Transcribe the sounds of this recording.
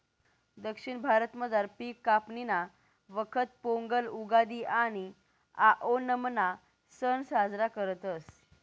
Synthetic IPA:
d̪əkʂiɳbʱaɾət̪məd͡zaɾpikːapnina | ʋəkʰət̪̚poŋɡəluɡad̪iːʔaɽ̃i | aʔonəmna | sənsad͡zɾakəɾət̪əs

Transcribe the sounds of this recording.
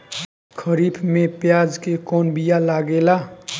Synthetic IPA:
kʰəɾipʰmẽpjaːd͡ʒkekɔːnbijalaːɡela

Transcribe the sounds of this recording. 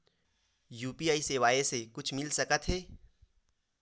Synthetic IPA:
juːpiaːiseːʋaːesekʊt͡ʃʰmɪlsɐkət̪ɦɛː

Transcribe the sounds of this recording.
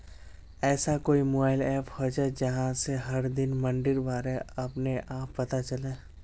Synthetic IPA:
ɛːsakoːimoːbaːɪlɛːphod͡ʒaːɛd͡ʒɐɦãseɦɐɾd̪ɪnmɐ̃ɳɖɪɾbaːɾeɐpneʔaːpːɐt̪at͡ʃɐlẽː

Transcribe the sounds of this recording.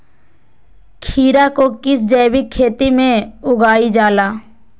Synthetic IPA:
kʰiːɾakokɪsd͡ʒɛːbɪkʰːeːt̪imẽʊɡaːid͡ʒaːlaː

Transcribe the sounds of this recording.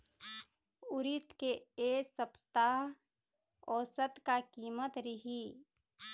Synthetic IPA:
ʊɾɪt̪keesəpt̪aɦ | ɔːsət̪kakiːmət̪ɾɪɦi

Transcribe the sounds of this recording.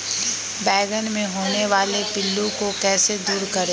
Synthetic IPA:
bɛːɡənmẽɦoːneʋaːlepɪlːũkokɛːsed̪uːɾkɐɾeː

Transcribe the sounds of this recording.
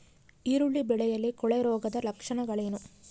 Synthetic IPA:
iːɾuɭːibɛɭɛjɐlːikɔɭɛɾɔːɡɐd̪ɐlɐkʂɐɳɐɡɐɭeːnu

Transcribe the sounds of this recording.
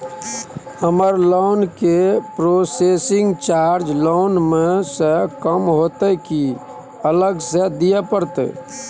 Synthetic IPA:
həməɾloːnkepɾosesɪŋɡt͡ʃaɾd͡ʒlonmesə̃kəmɦot̪ɛki | ələɡsed̪ijəpəɾt̪

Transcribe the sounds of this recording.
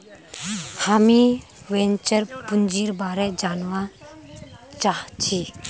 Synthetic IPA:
hami | wɛnt͡ʃəɾpund͡ʒiɾbaɾɛd͡ʒanɔwa | t͡ʃaht͡ʃʰi

